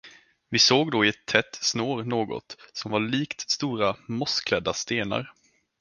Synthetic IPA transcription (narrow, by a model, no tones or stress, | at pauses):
vɪsoːɡd̪oːɪɛt̪ʰːɛt̪ːsnoːɾnoːɡɔ̰t̪sɔmvaɭiːkt̪st̪uːɾamʊskʰlɛd̪ːast̪eːna̰ɾ